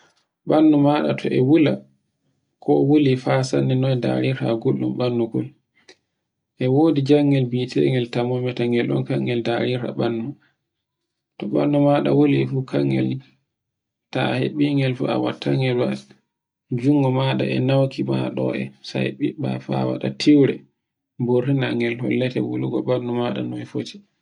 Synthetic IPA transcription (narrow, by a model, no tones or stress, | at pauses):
ɓanːumaɗa̰tʰɔʔɛwula | kʰɔwolifasanːɛnɔda̰ɾiɾtaɡolːumɓanːuɡɔl | ʔɛwoːdid͡ʒaŋɡɛlbitʰɛŋɛltamɔmɛtaŋɡɛlɗɔ̰nkaŋɡɛldaɾiɾtaɓanːu | tɔɓanːɔmaɗa̰woliɛfukʰaŋɡɛ̰l | taheɓiŋɡɛlfṵa̰watʰːaŋɡɛlwa | d͡ʒuŋɡɔmaɗa̰ʔɛnawkimaɗɔ̰ɛ̰sa̰jɓiɓa̰fawa̰ɗatʰiwɾɛ | borːinaŋɡɛlhɔ̰lːɛtɛ̰woluɡɔɓanːumaɗa̰nɔɛfoti̥